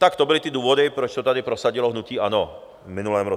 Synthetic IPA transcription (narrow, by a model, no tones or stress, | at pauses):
t̪akt̪ɔbɔlit̪iɛd̪uːʋɔd̪ɛpɾɛt͡ʃt̪ɔt̪ad̪ipɾɔsaɟilɔɦnuciːanɔ | minulamɾɔ